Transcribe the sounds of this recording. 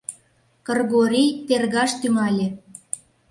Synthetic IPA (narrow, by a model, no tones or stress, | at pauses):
kɤ̆rɣoɾʲijt̪erɣɑʃt̪yŋɑlʲĕ